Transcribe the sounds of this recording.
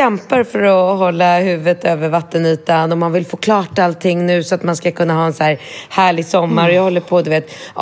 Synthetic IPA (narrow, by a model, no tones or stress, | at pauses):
ɛmpaɾfœɾɔhɔlːahʉ̟ːvət̪øːvəɾvat̪ːənyːt̪anɔmːanvɪlfoːkʰlɑːʈalt̪ʰɪŋːnʉ̟ːsɔat̪manskakʰɵnːaɦɑːɛnsæːɾhæːɭɪɡsɔmːaɾɔjaːhɔlːəɾpʰɔd̪ɵveːt̪